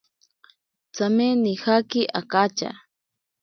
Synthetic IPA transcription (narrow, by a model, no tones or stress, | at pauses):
t͡samenixakiʔakat͡ʃa̰